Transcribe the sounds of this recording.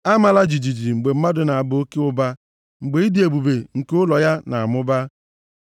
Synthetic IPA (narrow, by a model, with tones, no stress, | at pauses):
a˦ma˨la˦d͡ʒi˨d͡ʒi˨d͡ʒi˨ŋ͡m̩˨ɡ͡be˨m̩˦ma˦dʊ˨na˨a˨bʊ˨o˦ke˦ʊ˦ba˦ | ŋ͡m̩˨ɡ͡be˨i˦di˨e˨bu˨be˨ŋ̩˨kʊ˦lɔ˨ja˦na˨a˨mʊ˦ba˦